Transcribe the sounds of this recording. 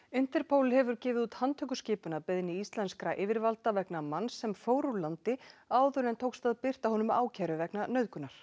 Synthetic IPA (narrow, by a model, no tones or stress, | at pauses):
ʏn̥t̪ɛɾ̥pʰoːwlɪhɛvʏɾcɪːvɪðuːt̪hant̪ʰʏkʏscɪːpʏnapɪðnɪist̪lɛnskɾaʔɪːvɪɾvalt̪avɛknamansːɛmfoːwɾulant̪ɪaːwðʏɾɛnt̪ʰoːwkst̪aðpɪr̥t̪ahɔnʏma̰ːwcʰaɾʏvɛknanœɥðkʏnːaɾ̥